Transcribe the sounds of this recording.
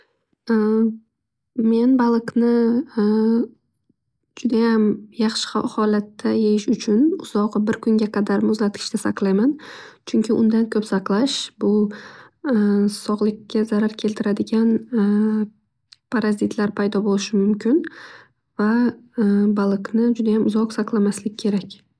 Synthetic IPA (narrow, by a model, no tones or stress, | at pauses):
me̞nbalˠɨqnɪ | d͡ʒʊd̪ajamjɑχʃɪ̥hhɒlat̪ːajejɪʃʊt͡ʃʰʊnʊz̥ɒʁbɪɾkʰʊŋɡʲaqʰɑd̪aɾmʊzlat̪kʰʲɪ̥ʃt̪asɑ̰qlˠajmant͡ʃʰʊŋkʲʰɪʔʊnd̪ankʲʰɵpsɑqlˠaʃbʊ | sɒʁlˠɪkʲːazaɾaɾkʲʰe̞lt̪ʰɪɾad̪ɪɡʲan | pʰaɾazɪt̪ʰlaɾpʰajd̪ɒbolɪʃɪmʊmkʲɪn | va | balˠɨqnɪd͡ʒʊd̪ajamʊzɒqsɑqlˠamaslɪɡʲkʲʰe̞ɾakʲ